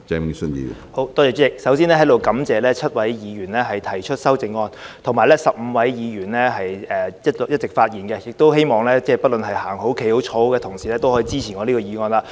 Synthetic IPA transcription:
t͡ʃɛ˧˥msə˥njḭː˨˩ho˨˧˥wt̪ɔː˥ɛː˧t͡ʃyː˥ɪ˧k̚sɐ˨˥wsiː˥nɛː˥ɦɐ˨˥jt̪o˨wkɐ˨˥mt͡sɛː˨˧lɛː˥t͡sʰɐ˥t̚wɐ˨˥jjiː˨˧jyː˨˩nlɛː˥ɦɐ˨jt̪ʰɐ˨˩jt͡ʃʰɵ˥t̚sɐ˥wt͡sɪ˧ŋːɔː˧nt̪ʰŋmaː˨˩jlɛː˥sɐ˨p̚m̩˨˧wɐ˨˥jjiː˨˧jyː˨˩nlɛː˥ɦɐ˨jɛː˨jɐ˥t̚ljɐ˥t̚t͡sɪ˨k̚faː˧t̚jiː˨˩nkɛ˧jɪ˨k̚t̪o˥whe˥jmɔː˨ŋlɛː˥t͡sɛː˥˩pɐ˥t̚lɵ˨nhɐ˨jhaː˨˩ŋɦo˨˥wkʰe˨˥jho˨˥wt͡ʃʰo˨˥wkɛː˧t̪ʰʊ˨˩ŋsiː˨˩lɛː˥t̪o˥whɔː˨˥iː˧˥t͡siː˥t͡sʰiː˨˩ŋɔː˨˧liː˥kɔː˧iː˨˧ŋɔː˧nlaː˧

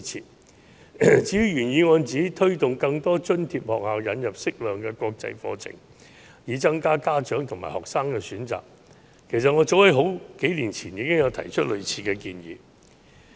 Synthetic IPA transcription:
t͡sʰiː˨˩t̚ | t͡siː˨˥jy˨˧˥ɥyː˨˩njiː˨˧ŋɔː˧nt͡siː˨˥t̪ʰɵ˥ɥt̪ʊ˨ŋkɐ˧ŋt̪ɔː˥t͡ʃɵ˥nt̪ʰiː˧p̚hɔː˨k̚haː˨˧wjɐ˨˧njɐ˨p̚sɪ˥k̚lœː˨ŋkɛː˧kʷɔː˧k̚t͡sɐ̰˧jfɔ̰ː˧t͡sʰɪ̰˨˩ŋ | jiː˨˧t͡sɐ˥ŋkaː˥kaː˥t͡ʃœː˨˥ŋt̪ʰŋmaː˨˩hɔː˨k̚saː˥ŋkɛː˧syː˨˥nt͡sa̰ː˨k̚ | kʰe˨˩s̬ɐ˨t̚ŋɔː˨˧t͡so˨˥whɐ˨˥jɦo˨˥wke˨˥jliː˨˩nt͡sʰiː˨˩njiː˨˧kɪ˥ŋjɐ˨˧wt̪ʰɐ˨˩jt͡ʃʰɵ˥t̚lɵ˨ɥt͡sʰiː˧kɛː˧kiː˧njḭː˨˧

